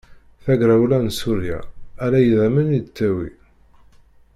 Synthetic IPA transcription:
θæɡɾawlænsuɾja̰ælæjəðæmənid̪t͡sːæwḭ

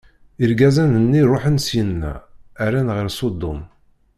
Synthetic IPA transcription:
iɾɡæzænənːirˤoħənsjənːæ̰ːɾænʁəɾsˤod̪ːʊ̰m

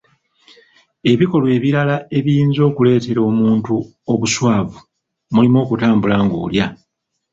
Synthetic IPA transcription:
e̞βiko̞lwe̞ːβiɾalae̞βiiːnzo̞ːkule̞ːte̞ɾo̞ːmuːntu | oβuswaːvu | mulimo̞ːkutaːmbulaːŋɡṵːlja

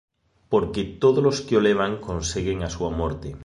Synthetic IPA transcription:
po̞ɾket̪oðolo̞skeoleβ̞aŋko̞nseɣeŋasuamoɾt̪e

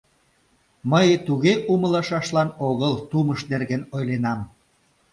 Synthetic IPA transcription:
məjt̪uɣeʔumə̆lɑʃɑʃlɑnoɣəlt̪uməʃnerɣenojlenɑm

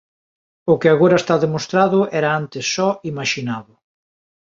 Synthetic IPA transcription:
ʊkɪaɣoɾaest̪aðemost̪ɾaðʊɛɾaant̪ɪsːɔimaʃinaðʊ

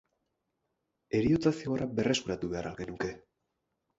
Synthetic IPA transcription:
e̞ɾiot̪asio̞aɾʔabe̞re̞skuɾat̪uβe̞aɾʔalɣe̞nuke̞

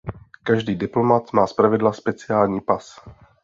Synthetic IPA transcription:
kaʒdiːdɪplomat̪maːspɾavɪdlaspɛt͡sɪjaːlɲiːpas

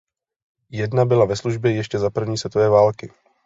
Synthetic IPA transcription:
jɛdnabɪlavɛsluʒbjɛjɛʃcɛzapr̩vɲiːsvɛt̪ovɛːvaːlkɪ

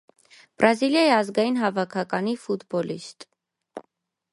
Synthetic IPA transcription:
b̥ɾɑziljɑjiɑzɡɑjinɦɑvɑkʰɑkɑnifut̪bɔlḭst̪

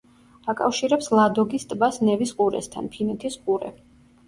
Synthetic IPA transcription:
akʼa̰fʃiɾɛpslˠad̪ɔɡist̪ʼbasnɛvisqʼuɾɛ̰st̪ʰa̰npʰinɛt̪ʰisqʼuɾɛ̰

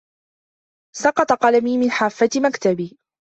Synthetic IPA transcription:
sɑqɑt̪ˤɑqɑlamiːmɪnħaːfːat̪makt̪abiː

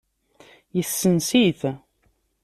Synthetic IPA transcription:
jəθːənsiθ

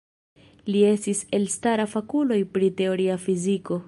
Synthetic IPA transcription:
lie̞stise̞lstaɾafakulo̞jpɾite̞o̞ɾiafiziko̞

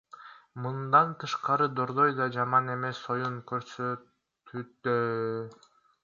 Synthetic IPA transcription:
mɯnd̪ɑnt̪ʰɯʃqɑɾɯd̪oɾd̪o̞jd̪ɑd͡ʒɑmɑne̞me̞sːo̞juŋkʰøɾsø | t̪ʰyt̪ːø

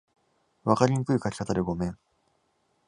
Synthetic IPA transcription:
βakaɾʲiɲikɯ̟ikakʲi̥kat̪ad̪eɡo̞mẽ̞ŋ

